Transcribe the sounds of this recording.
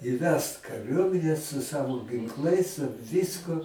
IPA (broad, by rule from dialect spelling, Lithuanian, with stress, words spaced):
iːˈʋʲɛst kɐˈrʲuɔmʲɪnʲɛ sʊ ˈsɑːʋoː ɡʲɪŋˈklˠɐɪs sʊ ˈʋʲɪskʊ